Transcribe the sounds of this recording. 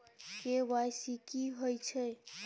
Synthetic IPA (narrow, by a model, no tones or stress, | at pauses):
keʋajsikiɦojt͡ʃʰɛ